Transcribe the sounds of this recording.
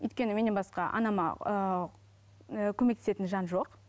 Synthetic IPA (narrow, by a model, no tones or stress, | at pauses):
ʏ̰jt̪kʲe̞nɪme̞nenbɑsqɑʔɑ̰nɑmɑ̰ | kʲʰɵmekt̪e̥se̞t̪ɪnʒɑnʒo̞q